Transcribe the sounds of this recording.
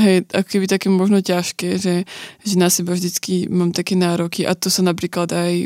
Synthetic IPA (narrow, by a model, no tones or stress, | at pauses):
ɦɛjʔa̰kɔ̥kɛbit̪akɛːmɔʒnɔcaʃkɛːʒɛʒɛnasɛbavʒd̪it͡skimaːmt̪akɛːnaːɾɔkiʔa̰t̪ɔsanapɾiːklad̪aj